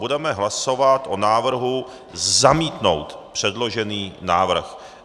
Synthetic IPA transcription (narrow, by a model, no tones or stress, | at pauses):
udɛmɛɦlaso̞vat̪ʔonaːvr̩ɦu | zamiːt̪no̞̰wt̪pr̝̥ɛdlo̞ʒɛniːnaːvr̩x